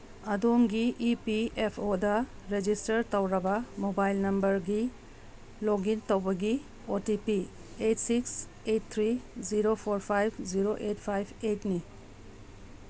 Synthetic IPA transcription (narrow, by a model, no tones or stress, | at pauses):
ɐdoŋɡiʔipiepʰodɐɾed͡ʒistɐɾtɐwɾɐbɐmobajlnɐmbɐɾɡi | loɡintɐwbɐɡi | otipi | etsiks | et̚t̪ʰɾiziɾopʰoɾpʰajpʰziɾoʔetpʰajbʰetni